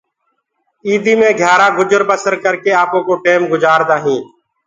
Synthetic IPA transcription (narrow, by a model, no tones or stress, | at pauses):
iːd̪iːmẽːɡʱjaːɾaːɡʊd͡ʒəɾbəsəɾkəɾkeːaːpõːkoːʈeːmɡʊd͡ʒaːɾd̪aːɦĩː